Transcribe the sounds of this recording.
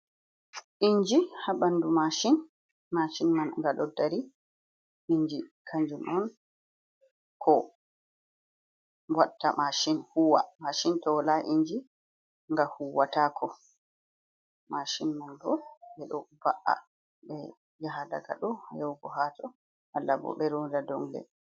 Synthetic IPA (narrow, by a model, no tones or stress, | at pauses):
ʔiɲd͡ʒihaɓandumaʃin | maʃinmanŋɡaɗɔdaɾi | ʔiɲd͡ʒikʰaɲd͡ʒumʔɔn | kʰɔ | watːamaʃinhuwa̰maʃintɔlaʔiɲd͡ʒi | ŋɡahuwatakʰɔ | maʃinmandɔɓɛɗɔbaʔa̰ | ɓɛ | jaɦada̰ɡa̰ɗɔhajɔwɡɔɦatɔ | alːabɔ̰ɓɛɾɔdadɔŋlɛ̰